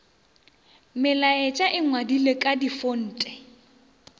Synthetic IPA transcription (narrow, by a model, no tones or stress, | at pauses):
mɪlaɪt͡ʃʼaʔɪŋwadilekʼadifon̩ːtʼɛ